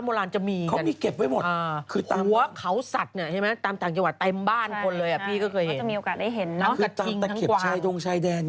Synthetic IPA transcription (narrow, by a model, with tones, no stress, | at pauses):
moː˧laː˧nt͡ɕa˨˩miː˧kʰa˦a˧miː˧ke˨˩p̚wa˧˥jmo˨˩ʔaː˧kʰɯː˧t̪aː˧u˩˦ɐkʰa˦˥wsa˨˩t̪̚ni˥˩ɐt͡ɕʰa˥˩ma˦˥t̪aː˧mt̪aː˨˩ŋt͡ɕa˧ŋwa˨˩t̪ːe˧mbaː˥˩nkʰo˧nlɤː˧jʔa˨˩pʰiː˥˩kɔː˥˩kʰɤː˧jhe˦˨˩a˨˩mi˧ʔo˨˧kaː˨˩t̚da˥˩jɦe˩˦na˦˥kɯa˧˩aː˧i˧ŋɛ˨t̪ʰke˨˩kwaː˨t͡ɕʰaː˧jdo˧ŋt͡ɕʰaː˧jdɛː˧n